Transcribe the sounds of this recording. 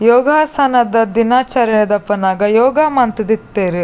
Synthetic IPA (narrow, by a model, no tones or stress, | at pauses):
jɔːɡʱaːsɐnɐd̪ɐd̪inaːt͡ʃaːɾɐjɐd̪ɐpːɐnaːɡɐjɔːɡaːmɐnt̪id̪it̪ːeːɾi